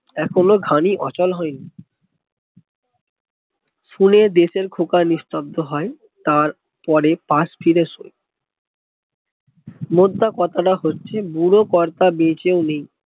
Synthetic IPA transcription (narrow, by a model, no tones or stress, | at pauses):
ɛkʰonoɡʱaniʔɔ̰t͡ɕɔlɦɔeni | ʃuned̪eʃeɾkʰokaɾnist̪ab̚d̪oɦɔe | t̪aɾ | pɔɾepasfʰiɾeʃo̰j | mod̪ːakɔt̪ʰaʈaɦotːɕʰebuɾokɔɾt̪abet͡ɕewnej